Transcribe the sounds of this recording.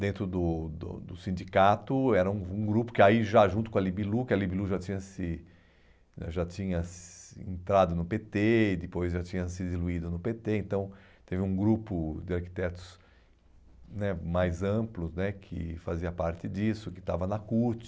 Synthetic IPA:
d̪ẽnt̪ɾʊd̪ʊd̪ʊ̰d̪ʊsĩnd͡ʒikat̪ʊɛɾɐũũɡɾupʊ̥kɪaiʒaʒũt̪ʊkõalibilukɪɐlibiluʒat͡ʃĩɲɐsɪ | a̰ʒat͡ʃĩɲɐsḛ̃nt̪ɾad̪ʊnʊpet̪eɪd̪ɪpojzʒat͡ʃĩɲɐsɪd̪iluid̪ʊnʊpet̪eẽnt̪ɐ̃w̃ | t̪evɪũɡɾupʊd̪ɪaɾki̥t̪ɛt̪ʊ̥s | nɛmajzɐ̃mplʊsnɛkʰɪ̰faziɐpaɾt̪ɪd͡ʒisʊkɪ̥t̪avɐnɐkuɾt͡ʃɪ̥

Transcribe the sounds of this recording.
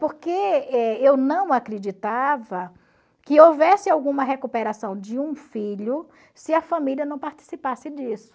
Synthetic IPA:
poɾkeɛewnɐ̃w̃akɾed͡ʒit̪avɐ | kɪowvɛsɪawɡũmɐɦekupeɾasɐ̃w̃d͡ʒɪũfiʎʊ | sɪɐfɐmiliɐnɐ̃w̃paɾt͡ʃi̥sipasɪd͡ʒisʊ̥

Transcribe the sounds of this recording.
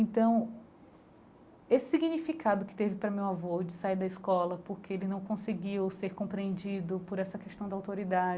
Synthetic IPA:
ẽnt̪ɐ̃w̃ | esɪ̥siɡinifikad̪ʊkɪ̥t̪evɪpɾɐmewavod͡ʒɪsaiɾd̪ɐiskɔlɐpoɾkeelɪnɐ̃w̃kõseɡiwseɾkõmpɾiẽnd͡ʒid̪ʊpoɾɛsɐkeʃt̪ɐ̃w̃d̪awt̪oɾid̪ad͡ʒ

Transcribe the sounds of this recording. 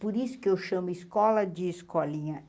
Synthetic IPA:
poɾisʊ̥kɪewʃɐ̃mʊiskɔlɐd͡ʒɪːskɔlĩɲɐ

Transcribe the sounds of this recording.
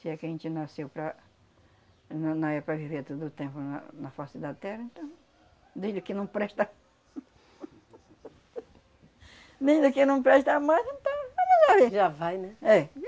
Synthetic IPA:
sɪɛkɪɐʒẽnt͡ʃ̪ɪnasewpɾɐ | nɐ̃nɐ̃w̃ɛpɾɐviveɾt̪od̪ʊt̪ẽmpʊnɐ̰nɐfasɪd̪at̪ɛɾɐẽnt̪ɐ̃w̃ | d̪ẽjd̪ʊkɪnɐ̃w̃pɾɛʃt̪ɐ | nẽj̃d̪ʊkɪnɐ̃w̃pɾɛʃt̪amajzẽnt̪ɐ̃w̃aʒaʒavẽʒavajnɛɛ

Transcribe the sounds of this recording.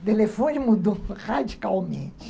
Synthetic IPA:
t̪elefõnimud̪oχad͡ʒikawmḛ̃t͡ʃɪ̥

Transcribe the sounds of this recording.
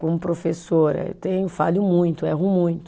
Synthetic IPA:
kõmʊpɾofesoɾɐ̰t̪ẽj̃ʊ̃falʊmũj̃t̪ʊɛɦʊ̃mũj̃t̪ʊ̥

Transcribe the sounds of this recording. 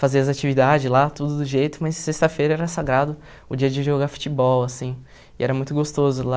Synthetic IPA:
faziɐzat͡ʃivid̪ad͡ʒɪzlat̪ud̪ʊd̪ʊʒejt̪ʊmɐjsːest̪ɐfejɾɐɛɾɐsaɡɾad̪ʊ | ʊd͡ʒiɐd͡ʒɪʒoɡafu̥t͡ʃibɔwasĩ | ɪʔɛɾɐmũj̃t̪ʊɡost̪ozʊla

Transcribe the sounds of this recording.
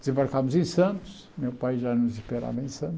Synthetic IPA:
d̪ɨzẽmbaɾkamuzẽj̃sɐ̃nt̪u̥ʃ | mewpajʒanuziʃpeɾa̰vɐẽj̃sɐ̃nt̪

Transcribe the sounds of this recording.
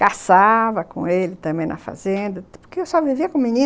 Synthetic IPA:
kasavɐkõ̰elɪt̪ɐ̃bẽj̃nɐ̰fa̰zẽnd̪ɐpʊɾkeewsɔviviɐkõmĩnĩ

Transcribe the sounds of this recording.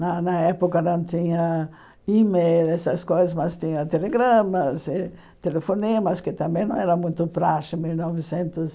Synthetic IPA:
nɐnɐɛpokɐnɐ̃w̃t̪ĩɲɐ | imejlɛsɐskojzɐzmɐst̪ĩɲɐt̪eleɡɾɐ̃mɐzɪ | t̪elefoniɐmɐskɪt̪ɐ̃mbẽj̃nɐ̃w̃ɛɾɐmũj̃t̪ʊpɾaʃɪmilnɔvɪsẽnt̪ʊs

